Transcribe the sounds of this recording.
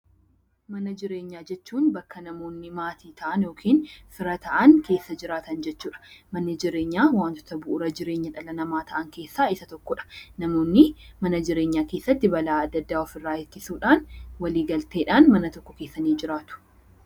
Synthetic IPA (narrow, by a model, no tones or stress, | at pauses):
mɐnɐd͡ʒɪɾe̞ːɲːaːd͡ʒɛt͡ʃːuːnbɐkːɐnɐmo̞ːnːɪmaːt̪ʰiːt̪ʰɐʔɐnjo̞ːkʰiːnfɪɾɐt̪ɐʔɐŋke̞ːsːɐd͡ʒɪɾaːt̪ɐnd͡ʒɛt͡ʃːuːᶑɐ̥mɐnːɪd͡ʒɪɾeːɲːaːwaːnt̪ɔ̥t̪ɐbʊʔʊɾɐd͡ʒɪɾe̞ːɲːɐᶑɐlɐnɐmaːt̪ʰɐʔɐŋke̞ːsːaːɪsɐt̪ɔkːɔᶑɐ̥nɐmo̞ːnːɪmɐnɐd͡ʒɪɾe̞ːɲːaːkeːsːɐt̪ːɪbɐlaːɐd̪ːɐd̪ːaːɔfɪrːaːɪkːɪsuːᶑaːnwɐliːɡɐlt̪e̞ːᶑaːnmɐnɐt̪ɔkːɔke̞ːsːɐniːd͡ʒɪɾaːt̪ʊ̥